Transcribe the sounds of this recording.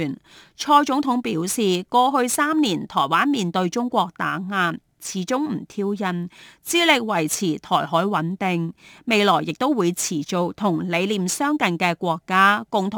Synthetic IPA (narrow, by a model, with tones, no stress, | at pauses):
nt͡ʃʰɔː˧jt͡sʊ˨˥ŋt̪ʰʊ˨˥ŋpiː˨˥wsiː˨kɔː˧ɦɵ˧ɥsaː˥mniː˨˩nt̪ʰɔː˨˩jwaː˥nmiː˨nt̪ɵ˧ɥt͡sʊ˥ŋkʷɔː˧k̚t̪aː˨˥ŋaː˧n | t͡sʰiː˨˥t͡sʊ˥ŋm̩˨˩t̪ʰiː˧˥wjɐ˨˧nt͡siː˥lɪ˨k̚wɐ˨˩jt͡sʰiː˨˩t̪ʰɔː˨˩jɦɔː˨˥jwɐ˨˥nt̪ɪ˨˧ŋme˨˧jlɔː˨˩jːɪ˨k̚t̪o˥wwuː˨˧jt͡sʰiː˨˩t͡so˨˧k̚t̪ʰʊ˨˩ŋle˨˧jliː˨msœː˥ŋkɐ˨nkɛː˧kʷɔː˧kːaː˥kʊ˨ŋt̪ʰʊ˨